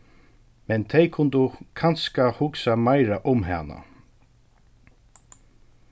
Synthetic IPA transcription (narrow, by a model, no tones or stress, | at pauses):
mɛnt̪ʰɛjkʰʊnd̪ʊkʰanskahʊksamajɾaʔʊmɦa̰ːna̰